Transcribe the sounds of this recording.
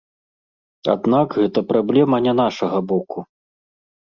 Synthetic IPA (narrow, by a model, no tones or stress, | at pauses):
a̰d̪nakɣɛt̪ɐpɾablʲɛmɐnʲɛn̪aʂɐɣɐbɔku